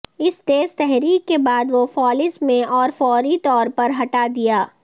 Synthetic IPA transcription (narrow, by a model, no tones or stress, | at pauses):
ɪst̪eːzt̪ɛɦɾiːkːebaːd̪ʋofɔːlɪsmẽʔɔːɾfɔːɾit̪ɔːɾpɐɾɦɐʈad̪ijaː